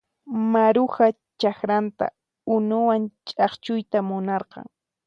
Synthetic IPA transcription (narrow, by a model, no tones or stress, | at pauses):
maɾʊxa | t͡ʃakɾant̪a̰ | ʊnʊwant͡ʃʼɑχt͡ʃʊjt̪amʊnɑɾqɑ̰ŋ